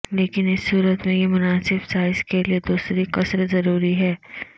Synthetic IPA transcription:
leːkɪnɪsːuːɾət̪mẽjemʊnaːsɪbsaːɪzkelied̪uːsɾiqɐsɾzɐɾuːɾiɦɛː

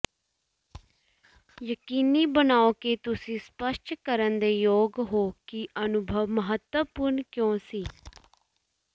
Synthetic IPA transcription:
jəkiːniːbənaːokeːt̪ʊsĩːspəsʈkəɾənd̪eːjoːɡɦoːkiʔənʊbʱəʋməɦət̪wəpʊɾnkjõːsiː

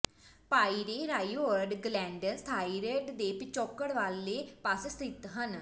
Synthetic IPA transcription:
paːiːɾeːɾaːiʋoəɾɖɡlɛ̃ːɳɖənst̪ʰaːiɾeːɖd̪eːpɪt͡ʃɔːkːəɽʋaːleːpəssɪt̪ɦən

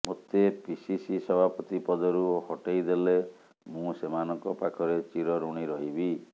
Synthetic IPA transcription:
mot̪episisisɔbʱapɔt̪ipɔd̪ɔɾuohɔʈeid̪ele | mũsemanɔŋkɔpakʰɔɾet͡ʃiɾɔɾuɽ̃iɾɔɦibi

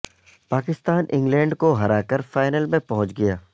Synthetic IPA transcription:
paːkɪst̪aːnʔɪ̰̃ŋɡlɛ̃ːɳɖkoɦɐɾaːkəɾfaːɪnəlmẽpɐɦʊ̃t͡ʃɡɐjaː

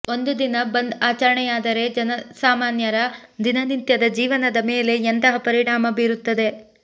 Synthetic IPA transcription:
o̞nd̪ud̪inɐbɐnd̪aːt͡ʃɐɾɐɳɛjaːd̪ɐɾe̞d͡ʒɐnɐsaːmaːnjɐɾɐd̪inɐnint̪jɐd̪ɐd͡ʒiːʋɐnɐd̪ɐme̞ːle̞ent̪ɐɦɐpɐɾiɳaːmɐbiːɾut̪ːɐd̪e̞

